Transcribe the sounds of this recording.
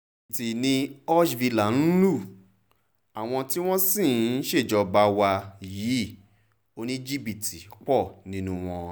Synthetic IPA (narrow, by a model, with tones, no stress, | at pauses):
ti˨nĩ˧ɔ˦ʃvi˧la˨n̩˦lu˦˨ | a˨w̃ɔ̃˧ti˦w̃ɔ̃˦sĩ˦˨˦ʃe˦˨d͡ʒɔ˨˧ba˧wa˧jiː˨˦ | o˧nĩ˦d͡ʒi˦bi˨tʰi˨k͡pɔ˦˨nĩ˦nũ˧w̃ɔ̃˧